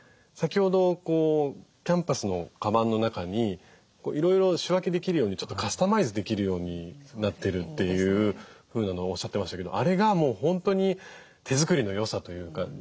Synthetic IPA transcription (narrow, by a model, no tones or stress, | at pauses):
sakʲiho̞d̪o̞ko̞ːkʲãmpasɨno̞kabãnːo̞nakaɲ̟i | ko̞̰ːʔiɾo̞iɾo̞ɕiβake̞d̪e̞kʲiɾɯ̟jo̞ːɲ̟it͡ɕo̞t̪ːokasɨ̥t̪amaizɨd̪e̞kʲiɾɯ̟jo̞ːɲ̟inat̪ːe̞ɾɯ̟t̪ːe̞jɯ̟ːɸɯ̟ːnano̞oɕːat̪ːemaɕit̪ake̞d̪o̞̰ʔaɾe̞ɡamo̞ːhõ̞nt̪o̞ɲ̟i | t̪e̞zɨkɯ̟ɾʲino̞jo̞sat̪o̞jɯ̟ːka̰